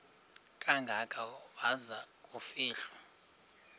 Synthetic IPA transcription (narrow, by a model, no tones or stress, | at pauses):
kʼaŋɡʱakʼawazakʼufiːɬɔ